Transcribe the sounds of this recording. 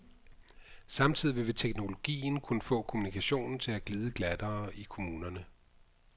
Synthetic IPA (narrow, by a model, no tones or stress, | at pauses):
sɑ̈mt͡sʰið̰ˠiʋe̝ʋe̝t͡sʰeɡ̥no̝lo̝ɡ̥ḭːn̩kʰunəfɔ̰̽ːkʰo̝munikʰæɕo̝̰ːnn̩t͡sʰe̝læɡ̥liːð̞ˠəɡ̥læd̥ɐːikʰo̝muːnɐnə